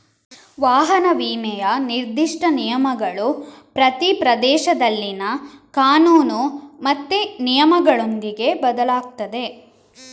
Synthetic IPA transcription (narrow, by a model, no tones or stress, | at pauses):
ʋaːɦɐnɐʋiːmɛjɐniɾd̪iʂʈɐnijɐmɐɡɐɭupɾɐt̪ipɾɐd̪ɛːʃɐd̪ɐlːinɐkaːnuːnumɐt̪ːenijɐmɐɡɐɭo̞nd̪iɡe̞bɐd̪ɐlaːk̚t̪ɐd̪e̞